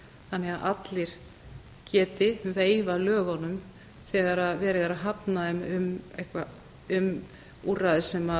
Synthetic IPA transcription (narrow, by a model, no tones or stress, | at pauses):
θanːɛɣaðʔat̪lɪɾ̥ | cʰɛːt̪ɪveːjvalœːɣɔnʏm | θɛːɣaɾaðvɛːɾɪðaɾaðɦapnaðɛmʏmḛjhkva | ʏm | uːraðɪsɛma